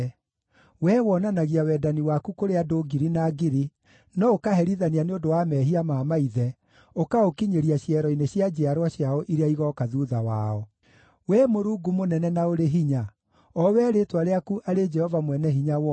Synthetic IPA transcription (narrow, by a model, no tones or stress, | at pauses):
wɛwɔnanaɣiawɛːdaniwakukoɾeadoɡiɾinaːɡiɾi | nɔokaɦɛɾiðanianeondowamɛːɦiamaːmaiðɛ | okaokiɲeɾiaɕjɛɾɔineɕjad͡ʒɛaɾwaɕjaɔʔiɾeaiɣɔkaðuðawa̰ɔ | wɛmoɾuːɡumonɛnɛnaoɾeɦiɲa | ɔwɛːɾetwaɾeakuʔaɾed͡ʒɛhɔvamwɛnɛɦiɲawɔ